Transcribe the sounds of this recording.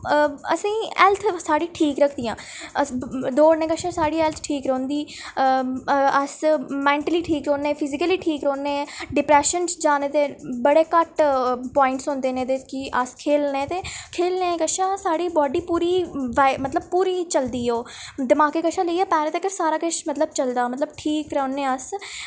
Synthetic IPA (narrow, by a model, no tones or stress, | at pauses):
ə̰sĩːɛlt̪ʰsaːɽiːʈʰiːkɾəkʰd̪ijãː | əsd̪oːɽnẽːkəʃãːsaːɽiːɛlt̪ʰʈʰiːkɾõːnd̪iː | əsmɛ̃ːɳʈəliːʈʰiːkɾõːnẽːpʰɪzɪkəliːʈʰiːkɾõːnẽːɖɪpɾɛːʃənsd͡ʒaːneːt̪eːbəɽeːkəʈpɔːɪɳʈsɦõːnd̪eːnẽːt̪eːkɪʔəskʰeːlneːt̪eːkʰeːlnẽːkəʃãːsaːɽiːbɔːɖiːpuːɾiːʋamət̪ləb̚puːɾiːt͡ʃəld̪iːoːd̪əmaːkeːkəʃãːləiːɛːpɛːɾẽt̪ekəɾsaːɾaːkəʃmət̪ləb̚t͡ʃəld̪aːmət̪ləbʈʰiːkɾəonẽːəs